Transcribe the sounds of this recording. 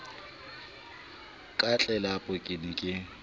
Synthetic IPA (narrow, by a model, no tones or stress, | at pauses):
kʼat͡ɬʼɛlapʼʊkʼɪnɪkʼɪ